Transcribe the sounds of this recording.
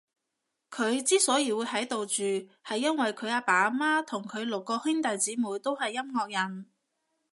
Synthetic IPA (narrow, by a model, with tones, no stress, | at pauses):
kʰɵ˨˧ɥt͡siː˥sɔː˨˥jiː˨˧wuː˨˧jɦɐ˨˥jt̪o˨wt͡ʃyː˨hɐ˨jːɐ˥nwɐ˨jkʰɵ˨˧ɥaː˧paː˨˥maː˥t̪ʰʊ˨˩ŋkʰɵ˨˧ɥlʊ˨kːɔː˧hɪ˥ŋt̪ɐ˨jt͡siː˨˥muː˨jt̪o˥whɐ˨jːɐ˥mŋɔː˧k̚jɐ˨˩n